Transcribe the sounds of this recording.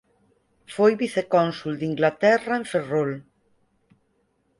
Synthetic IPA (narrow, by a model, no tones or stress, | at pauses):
fojβiθekɔnsuld̪iŋɡlat̪ɛraeɱferol